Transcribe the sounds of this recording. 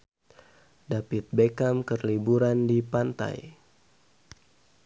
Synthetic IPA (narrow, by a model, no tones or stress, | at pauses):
dapit̪̚bekamkərlibuɾandipant̪a̰j